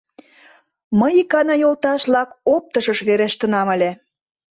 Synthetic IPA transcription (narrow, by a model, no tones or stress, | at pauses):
məjikɑnɑjolˠt̪ɑʃlɑkop̚t̪əʃəʃβeɾeʃt̪ə̆nɑmə̆lʲĕ